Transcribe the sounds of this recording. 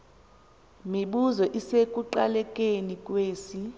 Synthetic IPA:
miɓuzɔʔisekʼuǃalɛkʼenikʼweːsi

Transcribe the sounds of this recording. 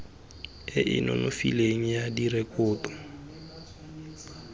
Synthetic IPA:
ɪʔɪ̰nɔ̰nʔofḭleŋ̩jadiɾekʼʊːtɔ̥

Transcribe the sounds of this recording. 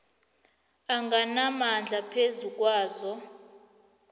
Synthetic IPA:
aŋɡanamand͡ɮʱapʰezuk̬ʼwaːzɔ

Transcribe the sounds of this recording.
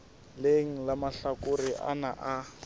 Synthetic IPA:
leŋ̩lamaɬakʼʊriʔa̰naʔa

